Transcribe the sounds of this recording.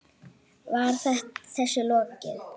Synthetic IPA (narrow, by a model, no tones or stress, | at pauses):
vaɾ̥θɛht̪θɛsːʏlɔːcɪ̰ð